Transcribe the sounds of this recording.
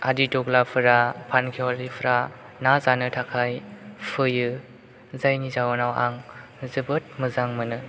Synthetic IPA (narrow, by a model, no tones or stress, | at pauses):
aditɔɡlapʰɯɾapʰankʰiɔlipʰɯɾa | nazanɯtʰakʰajpʰɯjɯ | zajnizawnawaŋ | zɯbɯt̚mɯzaŋmɯnɯ